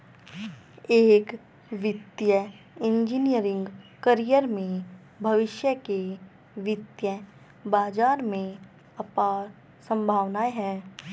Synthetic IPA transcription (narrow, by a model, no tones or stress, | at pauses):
eːk | ʋɪt̪jə | ɪ̃nd͡ʒinijəɾɪ̃ŋɡkəɾijəɾmẽ | bʱɐʋɪʃjəke | ʋɪt̪jə | baːd͡ʒaːɾmẽ | ɐpaːɾ | sə̃mbʱaːʋnaːeɦɛː